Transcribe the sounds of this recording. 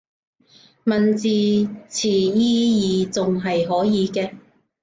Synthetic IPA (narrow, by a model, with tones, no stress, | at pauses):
mɐ˨nt͡siː˨˧t͡sʰiː˨˩jiː˥jiː˨˧t͡sʊ˨ŋɦɐ˨jɦɔː˨˥jiː˨˧kɛː˧